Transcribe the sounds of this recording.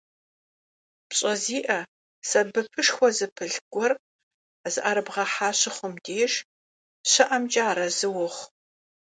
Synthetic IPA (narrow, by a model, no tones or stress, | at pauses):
pɕʼɐziːʔɐ | sɐbɨpʰɨʂxʷɔzɨpʰɨɮɡ̥ʷɔr | zɨʔaɾɨbʁɐħaːɕɪχʷʊmdeːʂ | ɕɐʔɐmt͡ʃʼaːɾɐzɨwʊχ